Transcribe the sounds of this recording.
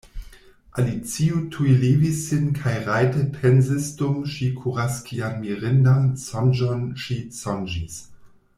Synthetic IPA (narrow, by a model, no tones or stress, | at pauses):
ʔa̰lit͡siutʰujlivisːinkʰajʁajtəpʰɛnzisdumʃikʰuʁaskianmiʁɪndansɔnd͡ʒonʃisɔnd͡ʒis